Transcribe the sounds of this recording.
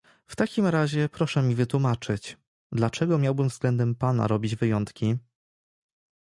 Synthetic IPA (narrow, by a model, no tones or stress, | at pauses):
ft̪akʲimɾaʑɛpɾɔʂɛmʲivɘt̪wumat͡ʂɘt͡ɕ | d̪lat͡ʂɛɡɔmʲjawbɘmvzɡlɛnd̪ɛmpana̰ɾɔbʲid͡ʑvɘjɔnt̪kʲi